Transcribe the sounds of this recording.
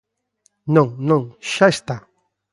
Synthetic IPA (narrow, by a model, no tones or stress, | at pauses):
noŋnoŋʃaʃt̪a